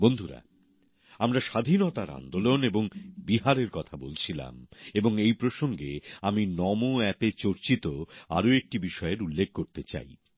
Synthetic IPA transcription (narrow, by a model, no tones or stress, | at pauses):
bond̪ʱuɾa̰ | amɾaʃad̪ʱinot̪aɾa̰nd̪oloneboŋbiɦaɾeɾkɔt̪ʰabolt͡ɕʰila̰meboŋejpɾoʃoŋɡeaminɔmoɛpet͡ɕoɾt͡ɕit̪oa̰ɾoek̚ʈibiʃɔeɾulːeɡ̚ʱkoɾt̪et͡ɕa̰j